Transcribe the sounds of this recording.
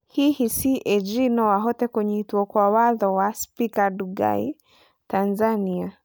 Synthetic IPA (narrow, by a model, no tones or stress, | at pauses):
hihisiʔɛd͡ʒinɔwaɦɔtɛkwɛɲɛtuɔkwawaðɔwaspikaduɡa̰ḭ | tanzania